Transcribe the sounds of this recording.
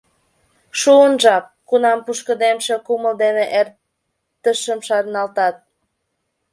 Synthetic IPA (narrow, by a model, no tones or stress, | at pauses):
ʃuənʒɑp̚kunɑmpuʃkəd̪emʃekuməld̪eneʔer | t̪əʃəmʃɑrnɑlt̪ɑt̪̚